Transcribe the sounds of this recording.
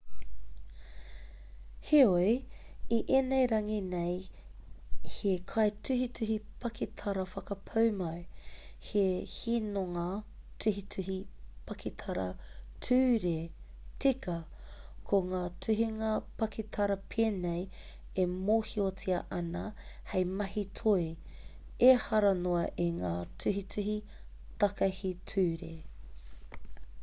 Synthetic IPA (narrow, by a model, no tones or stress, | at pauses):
heoj | iʔeːnejɾɐŋinej | hekʰɐjtʉɦitʰʉɦipʰɐkʰitʰɐɾɐfɐkɐpʰɐwmɐwhehinoŋa | tʰʉɦitʰʉɦipʰɐkʰitʰɐɾɐ̰tʰʉːɾe | t͡sikɐ | kʰoŋaːtʰʉɦiŋaɐpɐkʰitʰɐɾɐpʰeːnej | emoːhiot͡siɐʔɐnɐ | hejmɐhitʰoi | ehɐɾɐnoɐʔeŋaːtʰʉɦitʰʉɦi | tɐkɐhitʰʉːɾḛ